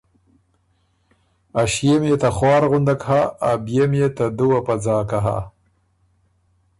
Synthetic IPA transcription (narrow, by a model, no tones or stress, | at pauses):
aʃjemjet̪axwɑːɾɣʊnd̪akhaːbijemjet̪ad̪uwapad͡zɑːkaɦa̰